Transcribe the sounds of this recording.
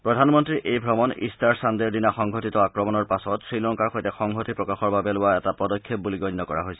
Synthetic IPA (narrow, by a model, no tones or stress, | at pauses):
pɹɔdʱanmɔntɹiʔejbʱɹɔmɔnḭstaɹsandeɹdinaxɔŋɡʱotitɔakɹɔmɔnɔɹpasɔtsɹilɔŋkaɹxojtɛxɔŋɡʱotipɹɔkaxɔɹbabɛlʊwaɛtapɔdɔkʰːep̚buliɡɔjnːɔkɔɹa̰ɦojsɛ̥